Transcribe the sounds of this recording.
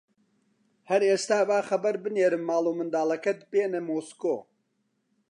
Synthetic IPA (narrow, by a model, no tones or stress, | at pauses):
hɐɾeːst̪aːbaːxɐbɐɾbɨneːɾɨmːaːlˠuːmɨnd̪aːlˠɐkɐt̪̚peːnɐmoːsko̰ː